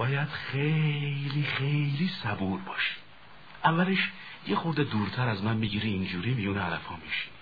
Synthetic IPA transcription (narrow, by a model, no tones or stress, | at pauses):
bɒːjæd̪̥χejlixejliːsæbuːɾbɒːʃi̥ | ʔævːæleʃ | jexoɾd̪ed̪uːɾt̪ʰæɾæzmænmiːɟiːɾiːnd͡ʒuːɾiːmijuːneælæfhɒːmiʃi̥